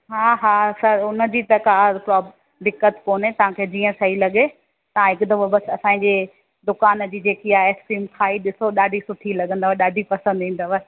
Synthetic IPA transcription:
ɦaːɦaːsɐɾʊnə̆d͡ʑiːt̪ɐkaːpɾɔː | d̪ɪkːət̪koːnɦet̪ɐʋ̤ãkʰeːd͡ʑiːə̃sɐɦilɐɠe | t̪ɐ̤ãɦɪkʊd̪ɐʋobɐsɐsã̆ːd͡ʑeː | d̪ʊkaːnəd͡ʑiːd͡ʑeːkiaːeːksʈɾiːmkʰaːiɗɪsoɗaːɖʱisʊʈʰilɐɠə̃nd̪aʋaɗaːɖʱipɐsə̃nd̪ĩn̆d̪aʋaːɪ

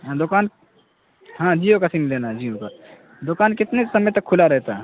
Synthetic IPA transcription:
d̪ʊkaːn | ɦãːd͡ʒiːokasimɪleːnad͡ʒiːõka | d̪ʊkaːnkɪt̪nesɐməjt̪ɐkʰːʊlaɾɛɦt̪aɦɛ

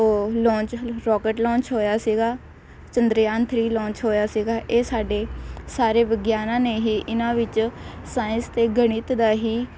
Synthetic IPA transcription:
oːlɔ̃ːt͡ʃɾɔːkeːʈlɔ̃ːɲt͡ʃɦoːjaːsiːɡaː | t͡ʃənd̪ɾjaːnt̪ʰɾiːlɔ̃ːɲt͡ʃɦoːjaːsiːɡaːʔeːsaːɖeːsaːɾeːʋəɡjaːnãːneːɦiːʔɪnãːʋɪt͡ʃsaːɪ̃nst̪eːɡəɽ̃ɪt̪d̪aːɦiː

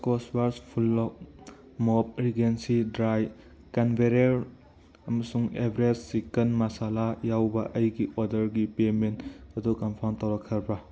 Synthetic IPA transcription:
koswaɾspʰulːɔk̚ | mɔp̚ɾiɡensidɾaj | kɐnbʱeɾeɾ | ɐmɐsuŋebʱɾed͡ʒsikɐnmɐsalajawbɐ̰ʔɐjɡiʔodɐɾɡipementɐdukɐmpʰawntawɾɐkʰːɐɾbɐ

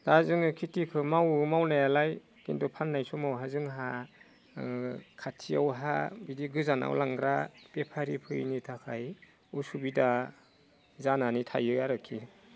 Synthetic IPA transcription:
d̥azɯŋɯkʰitikʰɯmawmawnajalaj | kindɔpʰanːajsɔmawɦazɯŋɦa | kʰatʰiawɦabidiɡɯzana̰wlaŋɡɾapepʰaɾipʰɯjnitʰakʰaj | usubida | zananitʰajɯaɾɯkʰːi

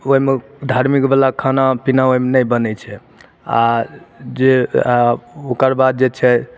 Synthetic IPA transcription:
oɦimed̪ʱaɾmikbəlakʰanapinaoɦimenəjbənɛt͡ʃʰɛ | a̰ | d͡ʒe | okəɾbad̪̚d͡ʒet͡ʃʰɛ

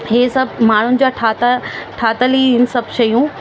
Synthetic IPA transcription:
ɦeːsɐbmaːɳ̤ʊnɪ̆d͡ʑaʈʰaːt̪aʈʰaːt̪əliɪnsɐbʃɐjũ

